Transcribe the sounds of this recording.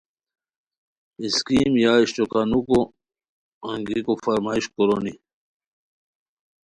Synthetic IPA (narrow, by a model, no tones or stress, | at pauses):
iskiːmjaːiɕʈokanuko | ɐ̃ŋɡikofɐɾmaːiɕkoɾoni